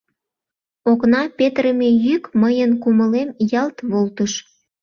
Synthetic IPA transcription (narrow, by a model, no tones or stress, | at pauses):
oknɑpet̪ɾəmejykməjənkuməlemjɑlt̪βolt̪əʃ